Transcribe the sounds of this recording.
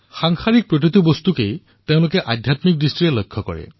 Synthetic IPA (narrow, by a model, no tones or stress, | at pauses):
xaŋxʰaɹik̚pɹokɹit̪ubost̪ukej | teʊ̃lʊkɛʔadʱjatmik̚distɹiɛlojkʰːɔkɔ̰ɹɛ̰